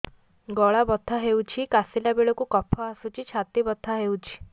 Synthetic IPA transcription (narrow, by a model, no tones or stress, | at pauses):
ɡɔɭabɔd̪ʱːaɦewt͡ʃʰikasilabeɭɔkukɔpʰɔasut͡ʃʰit͡ʃʰat̪ibɔd̪ʱːaɦewt͡ʃʰi̥